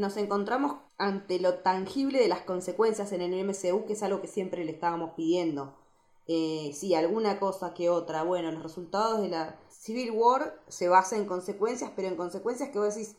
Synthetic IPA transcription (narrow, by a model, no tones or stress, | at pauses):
no̞se̞ŋko̞nt̪ɾamo̞s | ant̪elo̞t̪aŋxiβle̞ðelasko̞nse̞kwe̞nsjase̞nelemeseukeesalɣo̞ke̞sje̞mpɾeleːst̪aβamo̞spiðje̞nd̪o̞ | esialɣunako̞sakeo̞t̪ɾaβwe̞no̞lo̞sresult̪að̞o̞zð̞e̞lasiβilwoɾse̞β̞asaeŋko̞nse̞kwe̞nsjaspe̞ɾo̞eŋko̞nse̞kwe̞nsjahkeβoðes̬is